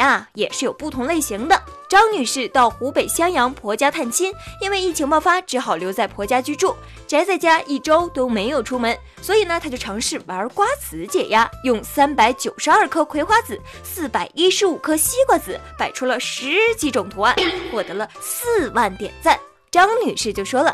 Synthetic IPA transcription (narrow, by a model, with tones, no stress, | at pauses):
a˥˧jɛ˨˩ʂɻ̩˥˩jo˨˩ʊpu˥˩t̪ʰʊ˧˥ŋle˥˩ɪɕi˧˥ŋd̪ə˧ | ʈ͡ʂɑ˥ŋny˨˩ʂɻ̩˥˧t̪ɑ˥˩ʊxu˧˥pe˨˩ɪɕjɑ˥ŋjɑ˧˥ŋpʰwɔ˧˥t͡ɕja˥t̪ʰa˥˩nt͡ɕʰi˥ni˥nwe˥˧ɪi˥˩t͡ɕʰi˧˥ŋpɑ˥˧ʊfa˥ʈ͡ʂɻ̩˧˥xɑ˨˩ʊljo˧˥ʊt͡sa˥˩ɪpʰwɔ˧˥t͡ɕja˥t͡ɕy˥ʈ͡ʂu˥˩ | ʈ͡ʂa˧˥ɪt͡sa˥˩ɪt͡ɕja˥ʔi˥˩ʈ͡ʂo˥ʊt̪o˥ʊme˧˥ɪjo˨˩ʊʈ͡ʂʰu˥mə˧˥n | swɔ˧˥i˨˩nə˧t̪ʰa˥t͡ɕjo˥˩ʊʈ͡ʂʰɑ˧˥ŋʂɻ̩˥˩wa˧˥ə˞˧˥kwa˥t͡sʰɹ̩˧˥t͡ɕjɛ̰˨˩ja˥jʊ˥˩ŋsa˥npa˧˥ɪt͡ɕjo˨˩ʊʂɻ̩˧˥ɐ˞˥˩kʰɤ˥kʰwe˧˥ɪxwa˥t͡sɹ̩˨˩˦ | sɹ̩˥˩pa˨˩ɪʔi˥ʂɻ̩˧˥u˨˩kʰɤ˥ɕi˥kwə˥˩t͡sɹ̩˨˩˦pa˨˩ɪʈ͡ʂʰu˥lə˨ʂɻ̩˧˥t͡ɕi˧˥ʈ͡ʂʊ˨˩ŋt̪ʰu˧˥a˥˩nxwɔ˥˩t̪ɤ˧˥lə˧sɹ̩˥˧wa˥˩nt̪jɛ̰˨˩nt͡sa˥˩n | ʈ͡ʂɑ˥ŋny˨˩ʂɻ̩˥˧t͡ɕjo˥˩ʊʂwɔ˥lə˨